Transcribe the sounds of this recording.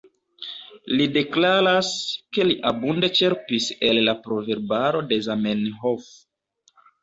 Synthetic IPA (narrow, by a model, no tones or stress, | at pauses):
lide̞klaɾaske̞liʔabunde̞t͡ʃe̞ɾpise̞lːapɾo̞ve̞ɾbaɾo̞de̞zamenɦof